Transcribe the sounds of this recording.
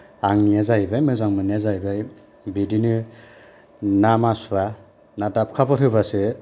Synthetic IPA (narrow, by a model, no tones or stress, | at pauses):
aŋniazajbajmɯzaŋmaniazajbaj | bidinɯ | namasuwa | natap̚kʰapʰɔthɯbasɯ